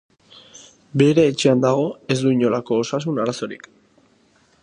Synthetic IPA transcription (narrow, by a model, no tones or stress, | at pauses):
be̞ɾe̞ːt͡ʃeand̪aɣ̞o̞e̞zd̪uiɲo̞lako̞ːsas̬unaɾaso̞ɾḭk